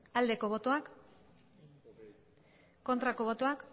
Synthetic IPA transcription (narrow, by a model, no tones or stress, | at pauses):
ald̪e̞ko̞βo̞t̪o̞ak | ko̞nt̪ɾako̞β̞o̞t̪o̞ak